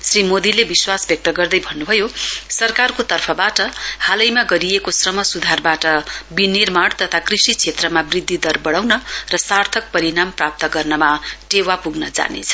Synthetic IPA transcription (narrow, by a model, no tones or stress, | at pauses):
srimod̪ilebiswasbjʌk̚t̪ʌɡʌrd̪ʌjbʱʌnːubʱʌjosʌrkarkot̪ʌrpʰʌbaʈʌhalʌjmaɡʌɾijekosrʌmʌsud̪ʱarbaʈʌbinirmaɽt̪ʌt̪ʰakrisit͡sʰet̪rʌmabrid̪ʱːid̪ʌrbʌɽawnʌrʌsart̪ʰʌk̚pʌɾinamprap̚t̪ʌɡʌrnʌmaʈewapuɡnʌd͡za̰nḛt͡sʰʌ̥